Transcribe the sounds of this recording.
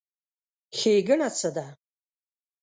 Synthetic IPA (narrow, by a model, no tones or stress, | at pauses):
xʲejɡɨnat͡sʰɐda